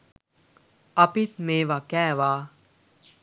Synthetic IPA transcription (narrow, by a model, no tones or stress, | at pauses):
ɐpit̪̚meːʋakɛːʋaː